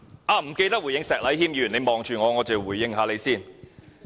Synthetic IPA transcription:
ʔaː˧˩m̩˨˩ke˧jt̪ɐ˥k̚wu˨˩jɪ˧ŋsɛː˨k̚lɐ˨˥jhiː˥˩mjy˧˨˩ne˨˧jmɔː˨ŋt͡ʃyː˨˩ŋɔː˨˧ŋɔː˨˧t͡se˨˩wuː˨˩jːɪ˧˥ŋɦaː˨˧le˨˧jsiː˥˩n

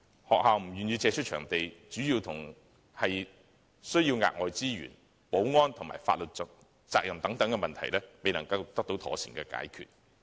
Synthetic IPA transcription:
hɔː˨k̚haː˨˧wm̩˨˩jyː˨njiː˧t͡sɛː˧t͡ʃʰɵ˥t̚t͡ʃʰœː˨˩ŋt̪e˨jt͡ʃyː˨˥jiː˧wt̪ʰʊ˨˩ŋ | hɐ˨j | sɵ˥ɥjiː˧wŋa̰ː˨k̚ŋɔː˨˩jt͡siː˥ɥy̰ː˨˩n | po˨˥wŋɔː˥nt̪ʰʊ˨˩ma̰ː˨˩jfaː˧t̚lɵ˨t̚t͡s | t͡saː˧k̚jɐ˨˩mt̪ɐ˨˥ŋt̪ɐ˨˥ŋkɛ˧mɐ˨nt̪ʰɐ̰˨˩jlɛː˥me˨jnɐ˨˩ŋkɐ˧wt̪ɐ˥k̚t̪o˨˥wt̪ʰɔ̰ː˨˥siː˨˩ŋkɛː˧ka̰ː˨˥jkʰy̰ː˨t̚

